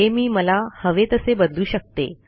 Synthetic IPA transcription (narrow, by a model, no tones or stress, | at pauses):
emiːməlahəʋet̪əsebəd̪luːɕək̚t̪ḛ